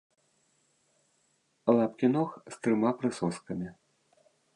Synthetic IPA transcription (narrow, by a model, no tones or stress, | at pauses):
lˠapkʲinɔxst̪ɾɨmapɾɨsɔskɐmʲi